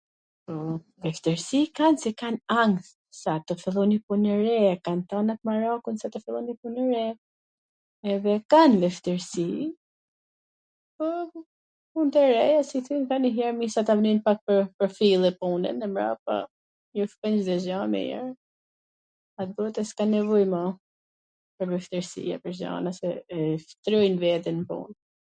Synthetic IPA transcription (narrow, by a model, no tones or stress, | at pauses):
pɔ | vɛft̪əɾsikansɛkanaŋθ | sat̪ɔfɛlˠɔnipunɛɾɛakant̪ɔnat̪̚maɾakunsat̪ɔfilˠɔnipunəɾɛ | ɛðɛkanvɛft̪əɾsi | pɔ | unt̪ɛɾɛjasiθyjnkaniɦɛɾmisat̪avninpak̚pəɾpɔfilˠɛpunɛ̰nɛmɾa̰pa̰ | jufkɛnd͡ʒd̪ɛzamɛ̰jɛ̰ɾ | at̪̚bɔɛt̪ɛskanɛvɔjma | pəɾvɛft̪əɾsḭa̰pəɾza̰nasɛft̪ɾujnvɛðɛnpṵn